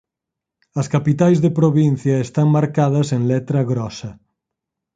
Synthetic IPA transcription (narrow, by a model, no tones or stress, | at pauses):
ɐskapit̪ajzðepɾoβin̟θjɐest̪aŋmaɾkað̞ɐseŋlɛt̪ɾɐɣɾɔsɐ